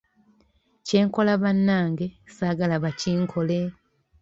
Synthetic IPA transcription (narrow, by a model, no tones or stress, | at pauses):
ce̞ːŋko̞laβanːaːŋɡe̞saːɡalaβaciːŋkʰo̞le